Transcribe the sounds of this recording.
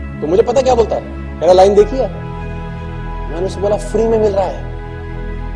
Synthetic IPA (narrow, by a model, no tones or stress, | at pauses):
t̪omʊd͡ʒʱepɐt̪ak̬jaːboːlt̪aɛ | kɛːɾelaːɪnd̪eːkʰiaː | mɛːneʊseboːlafɾiːmẽmɪlɾaɦaɦɛ̰ː